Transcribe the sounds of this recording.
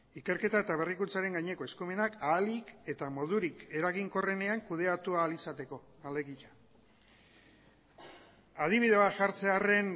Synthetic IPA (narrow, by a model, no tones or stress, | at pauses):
ike̞ɾke̞t̪ae̞t̪aβ̞e̞rikunt͡saɾe̞ŋɡaɲe̞ko̞e̞skume̞nakaːlike̞t̪amo̞ð̞uɾike̞ɾaɣiŋko̞re̞ne̞aŋkuð̞e̞at̪ualisat̪e̞ko̞ | ale̞ɣiʎa | að̞iβiðe̞βaʝaɾt͡se̞are̞n